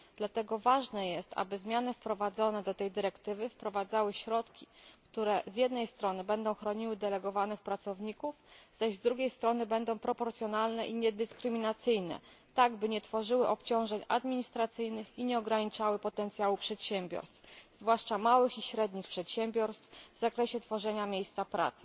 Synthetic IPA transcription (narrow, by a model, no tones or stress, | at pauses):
d̪̥lat̪ɛɡɔvaʐnɛjɛst̪a̰bɘzmʲjanɘfpɾɔvad̪zɔnɛd̪ɔt̪ɛjd̪ɘɾɛkt̪ɘvɘfpɾɔvad̪zawɘɕɾɔt̪kʲikt̪uɾɛzʲjɛd̪nɛjst̪ɾɔnɘbɛnd̪ɔ̃w̃xɾɔɲiwɘd̪ɛlɛɡɔvanɘxpɾat̪sɔvɲikufz̥aʑzd̪ɾuɡʲejst̪ɾɔnɘbɛnd̪ɔ̃w̃pɾɔpɔɾt̪sʲjɔnalnɛʔiɲɛd̪ɘskɾɘmʲinat̪sɘjnɛ̰ | t̪aɡbɘɲɛt̪fɔʐɘwɘʔɔpt͡ɕɔ̃w̃ʐɛɲa̰d̪mʲiɲist̪ɾat̪sɘjnɘxiɲɛɔɡɾaɲit͡ʂawɘpɔt̪ɛnt̪sʲjawupʂɛt̪ɕɛmʲbʲjɔ̰ɾst̪fzvwaʂt͡ʂamawɘxiɕɾɛd̪ɲixpʂɛt̪ɕɛmbʲjɔɾst̪fvzakɾɛɕɛt̪fɔʐɛɲamʲjejst̪sapɾa̰t̪sɘ̥